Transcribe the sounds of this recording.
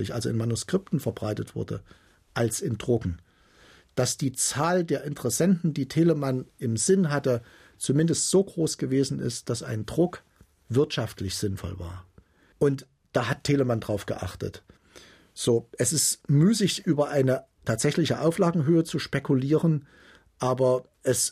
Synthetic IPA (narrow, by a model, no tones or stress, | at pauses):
lɪçʔalzoɪnmanuskʁ̥ɪp̚tn̩fɛɐbʁaɪtətv̥ʊ̰ɐdə̰ | ʔalsɪndʁʊɡŋ̩ | d̥asd̥iːt͡saːldeːɐʔɪntəʁɛsɛntn̩diːtʰeːləmanʔɪmz̥ɪnɦatə | t͡sumɪndəstz̥oːɡʁoːsɡ̥əveːzn̩ɪ̰std̥asʔa̰ɪndʁʊk | v̥ɪɐtʃaftlɪçz̥ɪnfɔ̰lva̰ːɐ | ʔʊnt | d̥aːɦattʰːeːləmandʁaʊfɡ̥ə̰ʔa̰χtə̰t | z̥oːʔɛsɪstmyːsɪçʔyːbɐʔaɪnə | tʰaːtz̥ɛçlɪçəʔaʊflaːɡŋ̩ɦøːət͡suʃpɛkʰuliːʁən | ʔaːbɐ | ʔɛs